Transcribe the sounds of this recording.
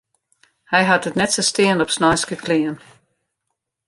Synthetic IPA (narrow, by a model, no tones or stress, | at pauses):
hɛjɦatətnɛtsəstɪənɔpsnajskəkʰlɪən